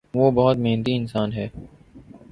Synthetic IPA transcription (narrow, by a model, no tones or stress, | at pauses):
ʋoːbɐɦʊt̪mẽːnd̪iɪnsaːnɦɛː